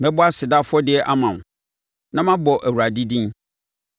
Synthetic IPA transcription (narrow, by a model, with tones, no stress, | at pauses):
mɛ̃˦bʊ˦a˦sɪ˨da˦fʊ˦ɔ˦dɪ˦ɛ˦ʔa˦mã˨m˨ | nã˦mã˦bɔ˨ʔæ˨wu˨a˨di˦dĩ˦n